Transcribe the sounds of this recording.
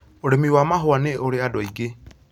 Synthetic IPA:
oɾemiwamaɦoaneʔoɾeadɔiɡe

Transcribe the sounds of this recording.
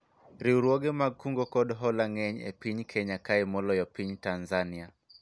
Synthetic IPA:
ɾiuɾuɔɡɛmaɡkuŋɡɔkɔɗɔɦɔlaŋɛɲɛ̰piɲkʰɛɲakaɛmɔlɔjɔpiɲtanzania

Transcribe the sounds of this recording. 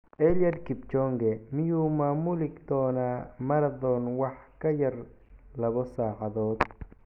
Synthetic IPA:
ʔɛljɐd̪kʰɪbt͡ʃɔŋɡɛmɪjuːmaːmʊlɪɡd̪ɔːnaːmɐɾɐðɔːnwɑħkʰɐjɐr | lɐβɔsaːħɑðɔːd̪

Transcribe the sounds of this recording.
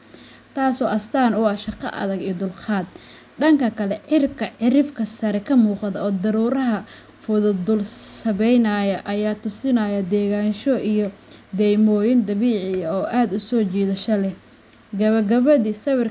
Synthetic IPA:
t̪ʰaːsɔːʔɐst̪ʰaːnʊɑːʃɑqɑ̰ʔɐ̰ðɐɡijɔd̪ʊlqɑːd̪ | ɖɐŋkʰɐkʰɐlɛʕɪrkʰɐʕɪɾɪfkʰɐsɐɾɛkʰɐmuːqɑðɐɔːd̪ɐɾuːɾɐɦɐ | fʊðʊd̪ʊlsɐβɛjnɐjɐʔɐjaːt̪ʊsɪnɐjɐd̪ɛːɣaːnʃɔʔijɔd̪ɛːjmɔːjɪnd̪ɐβiːʕɪjɐɔːʔaːd̪ʊsɔːt͡ʃiːðɐʃɐlɛ | ɡɐβɐɡɐβɐðiːsɐβɪr

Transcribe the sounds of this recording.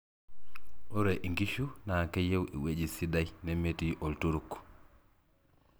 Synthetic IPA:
uɾeʔiŋɡiʃunakejewʔiwed͡ʒisidajnemetiʔoltuɾuk

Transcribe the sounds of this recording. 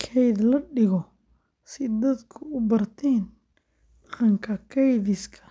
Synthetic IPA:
kʰɛjd̪lɐɖɪɣɔ | sɪd̪ɐd̪kʰʊʊbɐrt̪ʰɛːn | ɑqɐŋkʰɐkʰɛjðɪskʰɐ̥

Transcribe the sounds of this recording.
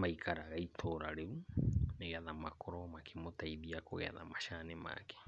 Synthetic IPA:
maikʰaɾaɣaitʰoɾaɾeɾuneɣɛðamakʰɔɾɔmakʰemotaiðiakoɣɛ̰ða̰maʃanema̰kɛ̥

